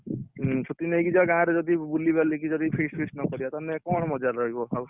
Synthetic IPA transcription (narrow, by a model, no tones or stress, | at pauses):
ɦsut̪ineiɡid͡ʒaɡãɾed͡ʒɔd̪ibulibalikid͡ʒɔd̪ipʰespʰesnɔkɔɾibat̪anekɔɽ̃mɔd͡ʒaɾɾɔɦibɔa